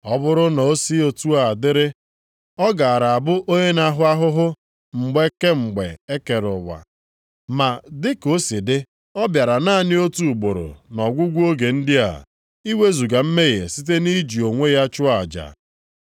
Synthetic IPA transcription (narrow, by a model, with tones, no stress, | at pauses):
ɔ˦bʊ˦ɾʊ˦na˨o˦si˦o˨tu˦a˨a˨dɪ˦ɾɪ˦ | ɔ˦ɡa˨ɾa˨a˨bʊ˦ʔo˦ɲe˦na˦ɦʊ˦a˦ɦʊ˦ɦʊ˦ | ŋ͡m̩˨ɡ͡be˦ke˦ŋ͡m̩˨ɡ͡be˨e˦ke˨ɾʊ̰˨wa̰˨ | ma˨dɪ˦ko˦si˨dɪ˦ | ɔ˦bja˨ɾa˨na˦nɪ˦o˦tu˨ɡ͡bo˨ɾʊ̰˨nɔ˨ɡʷu˦ɡʷu˦o˦ɡe˨n̩˦dɪ˦a̰˨ | i˦we˦zu˨ɡa˨m̩˦me˦ɣḛ˨si˦t̬e˦ni˦d͡ʒi˨o˨ŋʷe˦ja˦t͡ʃʊ˦a˨d͡ʒa̰˨